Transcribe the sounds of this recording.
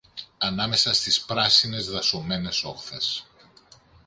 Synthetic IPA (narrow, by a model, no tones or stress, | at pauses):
ɐnɐme̞sɐst̪ispɾɐsine̞zðɐsome̞ne̞so̞xθe̞s